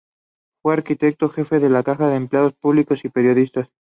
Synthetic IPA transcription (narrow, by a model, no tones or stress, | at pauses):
fwe̞aɾkit̪e̞k̚t̪oxe̞fe̞ðe̞lakaxaðeempleað̞o̞spuβliko̞sipe̞ɾjo̞ðist̪as